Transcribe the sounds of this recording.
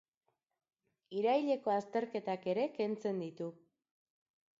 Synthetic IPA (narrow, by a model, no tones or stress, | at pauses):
iɾajʎe̞ko̞ast̪e̞ɾke̞t̪ake̞ɾe̞ke̞nt͡se̞nd̪it̪u